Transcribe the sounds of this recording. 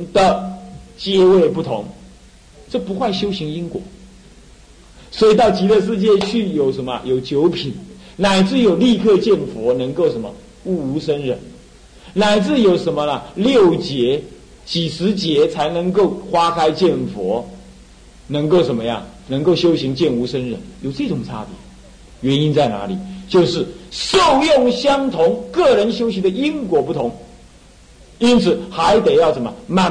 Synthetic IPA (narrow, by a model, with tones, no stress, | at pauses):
d̪ə˨t͡ɕjɛ˥we˥˧ɪpu˥˩t̪ʰʊ˧˥˦ŋ | ʈ͡ʂɤ˥˩pu˧˥xwa˥˩ɪɕjo˥ʊɕi˧˥ŋi˥ŋkwɔ̰˧˩˦ | swɔ˧˥i˨˩t̪ɑ˥˩ʊt͡ɕi˧˥ɾə˥˧ʂ̬ɻ̩˥˧t͡ɕjɛ˥˧t͡ɕʰy˥˩jo˨˩ʊʂə˧˥nmə˧jo˨˩ʊt͡ɕjo˧˥ʊpʰi˨˩n | na˨˩ɪt͡sɹ̩˥˩jo˨˩ʊli˥˧kʰɤ˥˧t͡ɕjɛ˥˩nfwɔ˧˥nɤ˧˥ŋko˥˩ʊʂə˧˥nmə˧ | u˥˩u˧˥ʂə˥nɻə˧˥n | na˨˩ɪt͡sɹ̩˥˩jo˨˩ʊʂə˧˥nmə˧nə˨˩ljo˥˩ʊt͡ɕjɛ˧˥ | t͡ɕi˨˩ʂɻ̩˧˥t͡ɕjɛ˧˥t͡sʰa˧˥ɪnɤ˧˥ŋko˥˩ʊxwa˥kʰa˥ɪt͡ɕjɛ˥˩nfwɔ˧˥ | nɤ˧˥ŋko˥˩ʊʂə˨˩nmə˦jɑ̰˥˩ŋ | nɤ˧˥ŋko˥˩ʊɕjo˥ʊɕi˧˥ŋt͡ɕjɛ˥˩nu˧˥ʂə˥nɻə̰˧˥˦njo˨˩ʊʈ͡ʂɤ˥˩ʈ͡ʂʊ˨˩ŋt͡sʰa̰˥pjɛ̰˨˩˦ | ɥɛ˧˥ni˥nt͡sa˥˩ɪna̰˧˥li˨˩˦t͡ɕjo˥˧ʊʂɻ̩˥˩ʂo˥˧ʊjʊ˥˩ŋɕjɑ˥ŋt̪ʰʊ˧˥ŋkɤ˥˩ɻə˧˥nɕjo˥ʊɕi˧˥˦d̪ə˧i˥ŋkwɔ˧˥pu˥˩t̪ʰʊ˧˥ŋ | i˥nt͡sʰɹ̩˨˩xa˧˥ɪt̪e˨˩ɪjɑ˥˩ʊʂə˧˩mə˧˦ma˥˧